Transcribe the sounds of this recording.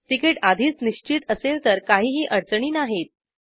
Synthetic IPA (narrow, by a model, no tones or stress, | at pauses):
ʈ̪ikeʈad̪ʱiːt͡sniɕt͡ɕit̪əselt̪əɾkaɦiːɦiːʔəɾt͡sɳiːnaɦet̪̚